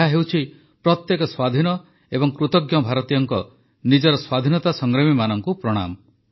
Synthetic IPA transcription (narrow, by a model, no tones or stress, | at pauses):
aɦewt͡ʃʰi | pɾɔt̪jekɔswad̪ʱinɔ | ebɔŋkɾut̪ɔɡjɔbʱaɾɔt̪ijɔŋkɔ | nid͡ʒɔɾɔswad̪ʱinɔt̪asɔŋɡɾɔmimanɔŋkupɾɔɽ̃a̰mɔ